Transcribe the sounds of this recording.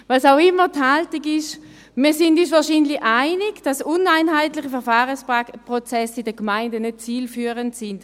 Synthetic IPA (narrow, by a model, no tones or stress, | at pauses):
vaːsaʊɪmːəthaltɪɡɪʃ | miːɐsɪndysvaːɐʃiːnlɪʔaɪnɪɡd̥asʊnaɪnɦaɪtlɪχəfɛɐʁfaːʁəspʁɔt͡sɛsɪdəkmaɪndənøt̚t͡siːlfyːʁəntsɪnd̥